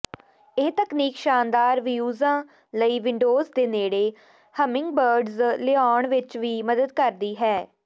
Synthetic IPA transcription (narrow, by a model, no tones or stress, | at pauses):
ɪːt̪əkniːkʃaːnd̪aːɾʋijuːzãː | ləiːʋɪ̃ɳɖoːzd̪eːneːɽeː | həmɪ̃ŋɡ̚bəːɾɖzlɪaːɳʋɪt͡ʃʋiːməd̪əd̪kəɾd̪iːɦɛː